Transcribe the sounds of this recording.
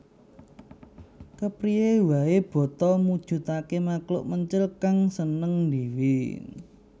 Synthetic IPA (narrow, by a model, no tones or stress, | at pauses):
kəpɾiewaeb̥ɔ̤t̪ɔmud̥ʒ̥ṳt̪akemaklʊ̰ʔməɲt͡ʃɪlkaŋsənəŋnd̪iwi